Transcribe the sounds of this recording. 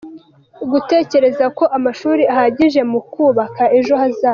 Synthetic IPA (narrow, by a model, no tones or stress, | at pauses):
ɡute̞ːce̞ɾe̞zako̞ʔamaʃuːɾiahaɟiʒe̞mukuːβakae̞ʒo̞hazaː